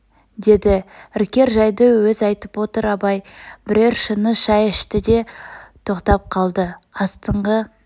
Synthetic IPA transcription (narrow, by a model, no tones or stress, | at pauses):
d̪e̞d̪ɪɪɾkʲe̞ɾʒɑjd̪əwɵzɑjt̪əpwo̞t̪əɾɑbɑjbɪɾe̞ɾʃənəʃɑjɪʃt̪ɪd̪e̞t̪ʰo̞qt̪ɑp̚qʰɑlˠd̪əɑst̪əɴʁə